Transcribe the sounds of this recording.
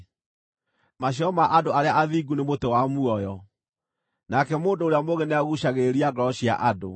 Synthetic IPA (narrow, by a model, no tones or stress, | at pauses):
maɕiɔmaʔadoaɾeaʔaðiːɡunemotewamuɔjɔ | nakɛmoːndoːɾeamoɣenɛaɣuɕaɣeɾiaɡɔɕia̰ʔado̰